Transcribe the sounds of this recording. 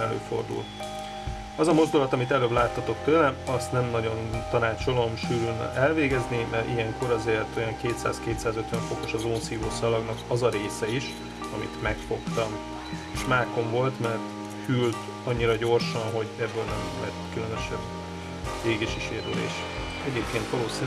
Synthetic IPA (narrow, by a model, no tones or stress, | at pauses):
ɛlø̰ːfo̞̰rd̪ṵlt̪ | ɒzɒmo̞zd̪ulɒt̪ɒmit̪ɛløːblaːt̪ʰːɒt̪o̞kt̪øːɾɛɒst̪nɛmnɒɟo̞nt̪ɒnaːt͡ʃo̞lo̞mʃyːɾyn̰ʔɛlveːɡɛznimɛʔijɛŋko̞ɾɒzeːrt̪o̞jɒŋkeːt̪sa̰ːskeːt̪saːzøt̪ʋɛɱfo̞ko̞ʃɒzoːnsiːvoːsɒlɒɡnɒkɒzɒɾeːsɛiʃ | ɒmit̪mɛkfo̞kt̪ɒm | eːʃmaːko̞ɱvo̞lt̪mɛrt̪ | hylt̪ | ɒɲːiɾɒɟo̞rʃɒnɦo̞ɟɛbːøːlnɛmlɛ̰t̪kylønøʃɛn | eːɡeʃiʃeːɾylḛːʃ | ɛɟeːp̚keːnt̪ʋɒloːsi